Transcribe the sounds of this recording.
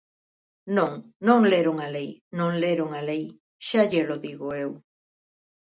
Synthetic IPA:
nõŋ | nõŋleɾoŋalejnõŋleɾoŋalej | ʃaʎeloðiɣoew

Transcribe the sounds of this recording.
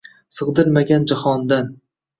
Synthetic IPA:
sɨʁd̪ɨɾmaɡʲand͡ʒahɒnd̪an

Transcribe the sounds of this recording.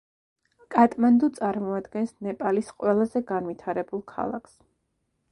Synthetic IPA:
kʼat̪ʼmand̪ut̪sʼaɾmɔad̪ɡɛnsnɛpʼalisqʼwɛlˠazɛɡanvit̪ʰaɾɛbulˠkʰa̰lˠa̰kʰs

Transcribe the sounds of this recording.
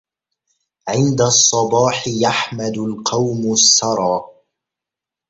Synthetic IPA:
ʕɪnd̪asˤːɑbɑːħɪjaħmad̪ʊlqɑwmʊsːɑɾˤɑː

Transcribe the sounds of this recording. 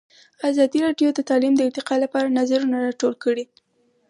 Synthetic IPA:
azɑd̪iɾɑɖjod̪ət̪ɑlimd̪əɪɾt̪ɪqɑlapɑɾanazaɾunaɾɑʈolkəɽi

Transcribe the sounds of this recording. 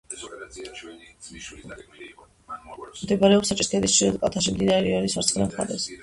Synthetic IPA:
md̪ɛbaɾɛɔpsat͡ʃʼist̪ʰɛd̪ist͡ʃʰiɾɛd̪̚kʼat̪ʰaʃ̬imd̪inaɛɾiɔnisaɾt̪sʰʼχʼɾɛmχa̰ɾɛs

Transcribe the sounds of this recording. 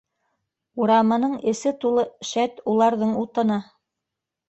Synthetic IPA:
uɾɑmɤ̆nɤɴɘ̆sɘt̪ulˠɤʃæt̪ulˠɑɾðɤɴut̪ɤ̆nɑ

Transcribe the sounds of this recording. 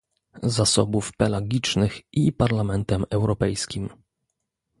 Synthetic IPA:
zasɔbufpɛlaɡʲit͡ʂnɘxʔipaɾlamɛnt̪ɛmɛwɾɔpɛjskʲim

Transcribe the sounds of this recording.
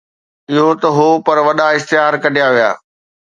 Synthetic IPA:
ɪɦot̪ɐɦopɐɾʋɐɗaɪst̪ɪɦaːɾkɐɖʱijaʋija̰ː

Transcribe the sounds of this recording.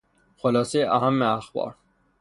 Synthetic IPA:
xolɒːsejeʔæɦæmːeæxbɒ̰ːɾ

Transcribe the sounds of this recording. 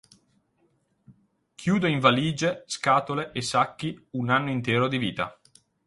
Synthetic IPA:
kʰjuːd̪oiɱvaliːd͡ʒeskaːt̪oleʔesːakːiunanːoint̪eːɾod̪iviːt̪a̰

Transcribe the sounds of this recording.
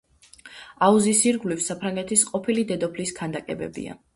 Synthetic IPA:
auzisiɾɡvlifsapʰɾaŋɡɛt̪ʰisqʼɔpʰilid̪ɛd̪ɔpʰlisɡʰand̪akʼɛ̰bɛ̰bḭa̰

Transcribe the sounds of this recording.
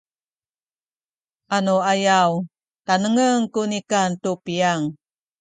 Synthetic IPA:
ʔanoajaw | tanəŋəŋkunikantupiaŋ

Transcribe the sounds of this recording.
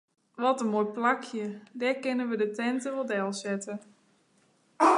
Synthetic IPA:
ʋɔtənmojplakʰjədɛkɪnənʋədətɛntəʋolˠdɛlˠsɛtə

